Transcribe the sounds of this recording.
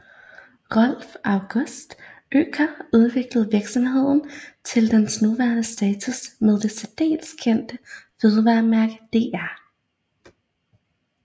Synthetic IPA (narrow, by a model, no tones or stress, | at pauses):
ʁɒl̰fɑ̈ʊɡ̥ɔ̽sd̥ø̰ːkʰɐuð̞ˠʋe̝ɡ̥ləð̞̩ˠʋiɐɡ̥sɒ̽mɦe̝ð̞̰ˠn̩t͡sʰe̝ld̥ensnuʋæːɐnəsd̥ɛːt͡sʰusmeð̞ˠd̥e̝sɒd̥e̝̰ːlskʰen̰d̥əføð̞ˠəʋɑ̈ːmæɐɡ̥d̥e̝̰ːæɐ̰